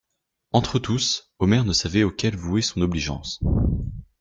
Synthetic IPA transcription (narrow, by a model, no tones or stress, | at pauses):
ɑ̃t̪χət̪us | ɔmɛʁnəsavɛokʲɛlvuɛsɔ̃nɔbliʒɑ̰̃s